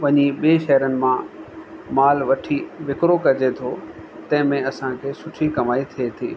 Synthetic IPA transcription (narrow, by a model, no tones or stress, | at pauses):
ʋɐ̃ɲiɓieʃɐɦəɾənɪ̆mã | maːlʋɐʈʰiʋɪkɾokɐd͡ʑet̪ʰot̪ɐ̃ɦɪ̃mẽɐsãkʰeːsʊʈʰikɐmaːit̪ʰiet̪ʰḭː